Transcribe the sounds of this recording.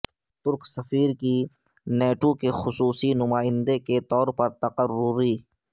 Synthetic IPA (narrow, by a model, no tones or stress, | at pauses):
t̪ʊɾksɐfiːɾki | neːʈokexʊsuːsinʊmaːɪ̃nd̪eket̪ɔːɾpɐɾt̪ɐqəɾʊɾiː